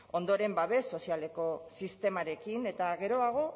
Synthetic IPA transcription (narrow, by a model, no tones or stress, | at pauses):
o̞nd̪o̞ɾe̞mbaβe̞sːo̞siale̞ko̞sist̪e̞maɾe̞kine̞t̪aɣe̞ɾo̞aɣ̞o̞